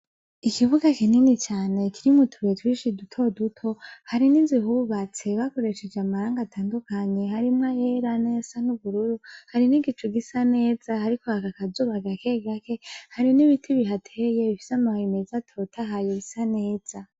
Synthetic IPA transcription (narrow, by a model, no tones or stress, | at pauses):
ikiβuɡakininit͡ʃaːne̞kiɾimutʰuetwiːʃidutʰo̞dutʰo̞haɾiniːnziɦuβat͡se̞βako̞ɾe̞ʃed͡ʒeamaɾaːŋɡatʰaːndukaɲe̞haɾimŋajeɾanezanuβuɾuɾuhaɾiniɡit͡ʃuɡisane̞ːzahaɾikohakakazuːβaɡake̞ɡake̞haɾiniβitʰiβiɦatʰejeβifi̥samaimezatʰo̞tʰaɦajeβisane̞ːz̥a